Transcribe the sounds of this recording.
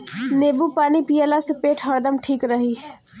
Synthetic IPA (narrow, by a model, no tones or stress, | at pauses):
neːbupaːnipijəlasepeːʈʰɦɐɾd̪əmʈʰiːkɾɐɦiː